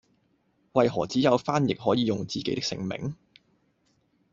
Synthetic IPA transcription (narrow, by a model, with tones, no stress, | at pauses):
wɐ˨jɦɔː˨˩t͡siː˨˥jɐ˨˧wfaː˥njɪ˨k̚ɦɔː˨˥jiː˨˧jʊ˨ŋt͡siː˨ke˨˥t̪ɪ˥ksɪ̰˨˩ŋmɪ̰˨˩ŋ